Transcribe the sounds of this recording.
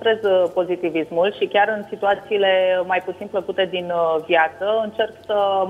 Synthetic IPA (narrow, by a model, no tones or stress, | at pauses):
t̪ɾe̞zpo̞zit̪ivismulʃikʲaɾɨnsit̪uat̪siːle̞majput̪sinpləkut̪e̞d̪invjat̪səɨnt͡ʃe̞rksə